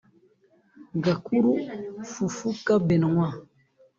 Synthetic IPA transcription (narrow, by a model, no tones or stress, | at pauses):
ɡakuɾufufukabɛnaŋwã